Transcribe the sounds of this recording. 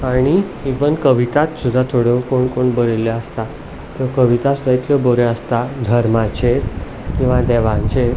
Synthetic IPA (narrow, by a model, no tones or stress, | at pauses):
aɽ̃iːʋənkəʋit̪at̪sud̪ʱːat̪ʰoɽekoɳkoɳbəɾeleəst̪a | t̪əkəʋit̪asud̪ʱait̪ʰləboɾeəst̪ad̪ʱəɾmãt͡ɕet̪ | kĩw̃ʋad̪ɛʋãnt͡ɕe